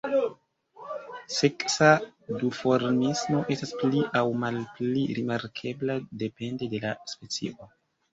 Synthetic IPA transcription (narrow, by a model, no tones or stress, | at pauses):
se̞ksadufo̞ɾnismo̞ʔe̞staspliʔawmalpliɾimaɾkʰe̞blade̞pe̞nde̞de̞laspe̞t͡sḭʔo